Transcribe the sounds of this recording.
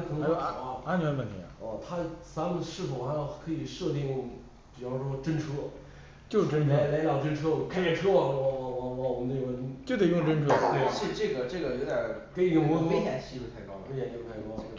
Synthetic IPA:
kʰɤ˧˩n˧˥˧a˥˧˩a˥nt͡ɕʰɥɛ˧˥n˥ə˥˩nt̪ʰḭ˧˥˨ɔ˥˧t̪ʰa˥t͡sa˧˥mə˨nʂɻ̩˥˩fo˨˩xa˧˥ɪjo˧˩ʊkʰɤ˧˥i˨˩ʂɤ˥˧t̪i˥˩ŋ | pi˨˩fɑ˥˩ʊʂwɔ˥ʈ͡ʂə˥nʈ͡ʂʰɤ˥ | t͡ɕʊ˨˩ʈ͡ʂə˥nʈ͡ʂʰa˧˥ɪla˧˥ɪljɑ˥˩ʊʈ͡ʂə˥nʈ͡ʂʰɤ˥˩kʰa˥jɛ˨˩ʈ͡ʂʰɤ˥˧˩wwwwɔ˨˩mə˦ne˥˩˧ə˧˥t͡ɕjo˥˩ʊt̪e˨˩˦jʊ˥˩ʈ͡ʂə˥nʈ͡ʂʰɤ˥t̪we˥˩ɪʂɻ̩˥˩˧ʈ͡ʂɤ˥˩ɡə˩ʈ͡ʂɤ˥˩ɡə˩jo˧˥ʊt̪jɑ˨˩ke˧˥ɪi˧˥ɡə˧mɔ˧˥t̪ʰe˥jɛ˨˩nɕi˥pu˧˥t̪ʰa˥˩ɪkɑ˥ʊd̪ə˨˧˥ji˥˩˧t̪ʰa˥˩kɑ˥˧˩

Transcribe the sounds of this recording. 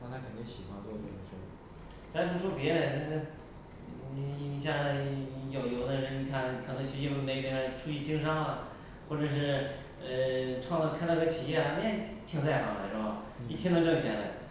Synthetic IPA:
ɑ˥˧ŋt͡sʰa˧˥kʰə˨˩ni˥ŋɕi˨˩xwa˧˥nt̪wɔ˥˩d̪ɛ̰˧˩˧ʂə˥˩˧ | t͡sʰa˧˥˩u˧˥ʂwɔ˥pjɛ˧˥ɾə˨˩˧ | i˧˥ɕ̬ja˥˩jo˨˩ʊjo˧˥ʊd̪ə˧ɻə˧˥ni˨˩kʰa˥˩nkʰɤ˨˩nɤ˧˥ŋt͡ɕʰy˥˧˥jo˥˩˥me˧˥ɪ˥˩pjɛ˧˥ə˧˥˩ʈ͡ʂʰu˥˧i˥˩t͡ɕi˥ŋʂɑ˥ŋlɐ˨ | xwɔ˥˩ʈ͡ʂɤ˨˩ʂ̬ɻ̩˥˩ | ə˧ʈ͡ʂʰwɑ˥˧ŋlkʰnt̪ɡ̪t͡ɕʰi˨˩jɛ˥˩a˧˩a˧˥˩t̪ʰi˥ŋt͡sʰa˥˩ɪxɑ̰˨˩˦la˧˩ʂo˥˩a˥˧˩ḭ˨˩˥ŋd̪ɑ˥˧ʊʈ͡ʂɤ˥˩˨t͡ɕʰjɛ˧˥nla˧˩ɪ

